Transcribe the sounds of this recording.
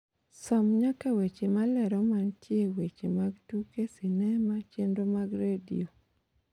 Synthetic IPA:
sɔmɲakawet͡ʃemalɛɾɔmantjewet͡ʃemaɡtukesinɛmat͡ʃendomaɡɾedḭo

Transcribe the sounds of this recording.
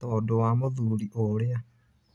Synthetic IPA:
t̪ɔdowamoðuɾiʔoɾea

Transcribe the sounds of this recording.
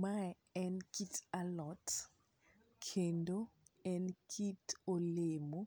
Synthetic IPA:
maj | ɛnkitʰalɔt | kʰendoɛ̃nkʰitoleːmɔ

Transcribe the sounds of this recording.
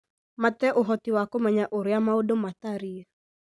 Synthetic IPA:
matɛʔoɦɔtiwakomɛɲaʔoɾeamaodomataɾia

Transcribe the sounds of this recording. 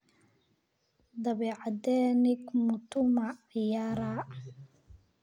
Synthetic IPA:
d̪ɐβɛːʕɑd̪ɛːnɪɡmʊt̪ʰʊmaɪjaːɾaː

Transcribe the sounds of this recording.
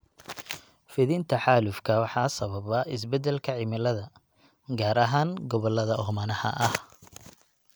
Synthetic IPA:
fɪðɪnt̪ʰɐħɑːlʊfkʰɐwɑħɑsɐβɐβɐɪsbɛd̪ɛlkʰɐʕɪmɪlɐðɐ | ɡaːɾɐɦaːŋɡɔβɔlɐðɐɦmɐnɐhɐ̰ʔɐh

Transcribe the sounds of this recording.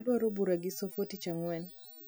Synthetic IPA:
dwaɾobuɾaɡɪsofotit͡ʃaŋwɛn

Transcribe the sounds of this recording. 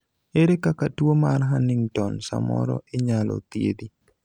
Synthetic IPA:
eɾekakatwomarɦanɪŋtɔnsa̰mɔ̰ɾɔ̰ʔeɲalɔ̰t̪jḛd̪i

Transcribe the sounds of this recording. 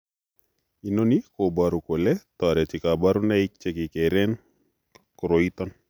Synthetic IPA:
inonikobaɾukolɛt̪ɔɾɛt͡ʃikabaɾunaik̚t͡ʃekikeɾɛn | kɾoit̪ɔn

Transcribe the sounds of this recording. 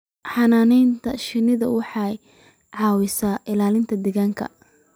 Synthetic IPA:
ħɑnaːnɛjnt̪ʰɐʃɪnɪðɐwɑħɑj | ʕɑːwɪsaːʔɪlaːlɪnt̪ʰɐd̪ɛɣaːŋkʰɐ̰

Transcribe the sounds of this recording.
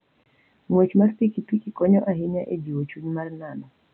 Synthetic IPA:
ŋwet͡ʃmaspikipikikɔɲɔʔaɦɪɲaʔed͡ʒiwot͡ʃuɲmarnanɔ

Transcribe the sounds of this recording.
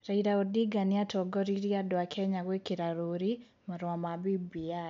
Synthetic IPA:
raiɾaodiɡanɪatɔɡɔɾiɾiadwakʰɛɲaɡwekiɾaɾoɾi | maɾwamabibia

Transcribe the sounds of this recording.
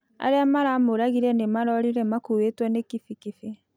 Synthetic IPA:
a̰ɾeamaɾaːmoɾaɣiɾɛnemaɾɔɾiɾɛmakuwetwɔnekifikife

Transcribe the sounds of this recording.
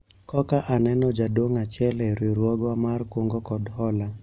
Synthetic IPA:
kɔkaʔanɛnɔd͡ʒadoŋat͡ʃɛlɛɾiɾwɔɡwamarkwoŋɡɔkɔdhɔla

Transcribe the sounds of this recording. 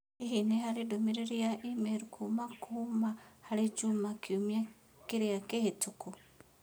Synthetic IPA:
eɦinehalidomiɾeɾiaʔimeɾukʰumakʰumahalid͡ʒumakʰjumja | kiɾiakehetuku

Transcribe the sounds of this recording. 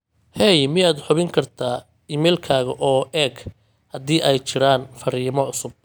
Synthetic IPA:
hɛjmɪjaːd̪ħʊβɪŋkʰɐrt̪ʰaː | iːmɛlkʰaːɣɐʔɔːʔɛːɡ | hɐðiːʔɛjt͡ʃɪɾaːnfɐɾiːmɔʕʊsʊb̚

